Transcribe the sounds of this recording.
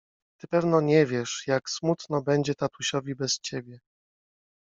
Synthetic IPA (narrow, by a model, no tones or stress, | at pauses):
t̪ɘpɛvnɔɲɛvʲjɛʂjaksmut̪nɔbɛɲd͡ʑɛt̪at̪uɕɔvʲibɛst͡ɕebʲjɛ